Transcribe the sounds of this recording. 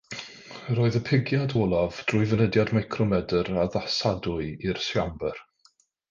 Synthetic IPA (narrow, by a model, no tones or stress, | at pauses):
roːɨðəpʰɪɡjadɔlˠavd̥rʊːɨvənədjadmajkʰrɔmɛdəɾaðasadʊɨirsjambər